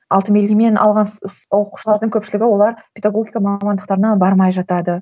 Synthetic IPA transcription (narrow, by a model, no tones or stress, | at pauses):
ɑlˠt̪əmelimenʔɑ̰lˠʁɑnsswo̞qu̥ʃəlˠɑɾd̪əŋkʲʰɵpʃɪlɪɡʲɪwo̞lˠɑɾpʰʲed̪aɡo̞ɡʲijkɑmɑmɑnd̪əqt̪ɑɾənɑbɑɾmɑjʒɑt̪ɑd̪ə